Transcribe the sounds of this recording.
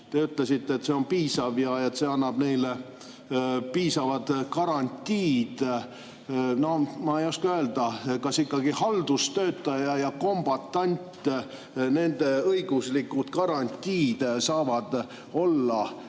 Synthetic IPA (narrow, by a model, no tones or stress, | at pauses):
t̪e̞yt̪ˑle̞sit̪ːeet̪se̞o̞npiːsɑvjɑet̪seɑnːɑb̥ne̞jle | piːsɑvɑd̪̥kɑɾɑnʲt̪ʲiːd̪̥ | no̞mɑejoskɑø̞ːld̪̥ɑkɑsikːɑɡihɑld̪ust̪ø̞ːt̪ːˑɑjɑjɑko̞mb̥ɑt̪ːˑɑnʲt̪ʲ | ne̞nd̪̥e̞ɤjɡ̥uslikːut̪kɑɾɑnʲt̪ʲːiːd̪̥sɑːvɑd̪̥ | o̞lːɑ